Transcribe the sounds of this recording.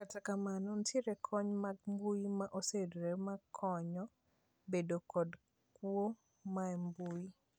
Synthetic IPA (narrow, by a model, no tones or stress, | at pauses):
katakamanɔntjeɾɛkʰɔɲmaɡmbujimaʔosedɾemakʰɔɲɔ | bedokɔd | kwo | maɛmbui